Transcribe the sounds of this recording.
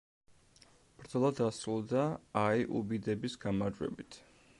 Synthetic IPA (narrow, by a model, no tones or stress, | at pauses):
b̥ɾd̪zɔlˠad̪asɾulˠd̪aːiʔubid̪ɛbisɡamaɾd͡ʒwɛ̰bit̪ʰ